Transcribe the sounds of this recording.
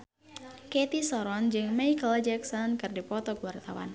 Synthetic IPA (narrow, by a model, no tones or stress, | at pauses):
ket̪isɔɾɔnd͡ʒɨŋmejkld͡ʒɛksɔnkɨrdipɔt̪ɔkəwart̪awa̰n